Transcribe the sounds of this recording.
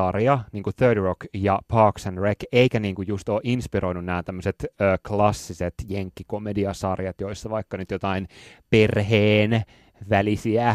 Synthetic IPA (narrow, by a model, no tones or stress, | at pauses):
ɑrjɑniːŋkuθøːdrokjɑpʰɑːksænrekeikæniːŋkujjust̪oːʔinspiɾoinunnæːnt̪æmːøset̪øːklɑsːiset̪jeŋkːikomediɑsɑrjɑt̪joisːɑʋɑikːɑnyt̪jot̪ɑinperɦeːn | ʋælisiæ